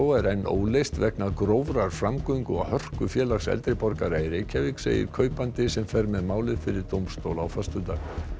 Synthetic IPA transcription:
ɔwɛɾɛnːʔo̰ːwlejst̪vɛknaðkɾoːwvɾaɾ̥fɾamkœɥŋkʏahœr̥kʏfjɛːlaxsɛ̰lt̪ɾɪpɔɾkaɾaːjɾɪcʰɛːvɪksḛːjɪ̰ɾ̥kʰœːɥpant̪ɪsɛmfɛɾmɛðmaːwlɪðfɪɾɪɾt̪owmst̪owlawfast̪ʏt̪aːɣ

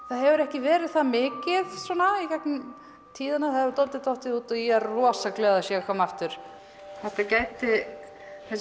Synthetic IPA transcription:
θaðɦɛvʏɾɛhcɪvɛːɾɪðθaðmɪːcɪðswɔːnaicaknɪm | t̪ʰiːðanahaɛvʏɾt̪ɔnt̪ɪt̪ɔht̪ɪðuːt̪ɔjɛrɔːsaklɛːɣðasjɛɣkʰamaft̪ʏɾ̥ | θɛht̪acaːjt̪ɪ | θɛs

